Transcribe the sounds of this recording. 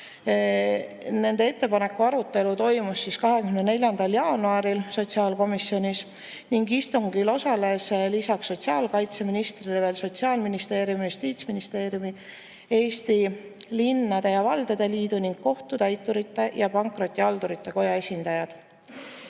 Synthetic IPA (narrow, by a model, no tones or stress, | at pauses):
ne̞nd̪ee̞t̪ːe̞pɑne̞kːˑuɑɾut̪ːe̞lut̪o̞jmusːiskɑɦekyhynene̞lʲjɑnd̪ɑljɑːnuɑɾilso̞t̪siɑːlko̞misːjo̞nʲis | niŋɡist̪uŋɡ̥ilo̞sɑle̞slisɑksːo̞tʲsiɑːlkɑjt̪se̞minist̪rileve̞ːlso̞t̪siɑːlminist̪e̞ːɾjumjust̪iːt̪sminist̪e̞ːɾijumi | e̞ːst̪ilinːɑd̪̥e̞jɑvɑld̪e̞d̪̥e̞liːd̪̥uniŋɡ̥̚ko̞ht̪ut̪æjt̪ːˑuɾit̪ːe̞jɑpɑŋkro̞t̪ːˑiɑld̪uɾit̪ːe̞ko̞jɑe̞sʲind̪̥ɑjɑd̪̥